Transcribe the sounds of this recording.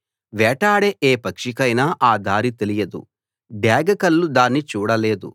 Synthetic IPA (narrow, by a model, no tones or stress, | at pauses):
ʋɛːʈaːɽeʔeːpɐkʂikɐjnaːʔaːd̪ʱaːɾit̪e̞lijɐd̪ṵ | ɖjaːɡɐkɐlːud̪aːnːit͡ʃuːɽɐle̞ːd̪ṵ